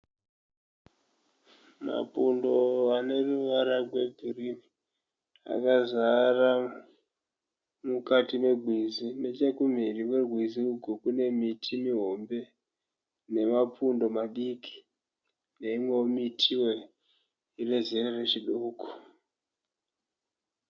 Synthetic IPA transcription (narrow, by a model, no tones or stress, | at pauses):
ma̰pundo̞ane̞ruʋaɾaɡwe̞bʱirimi | a̰kazara | mukatime̞ɡʱwizine̞t͡ʃekum̤iriwe̞rwiziuɡʱukune̞mitʰimiɦo̞mbe̞ | ne̞mapundo̞maɗiki̥ | ne̞imweomitʰiwe̞ | ire̞zirere̞t͡ʃiɗuːko̥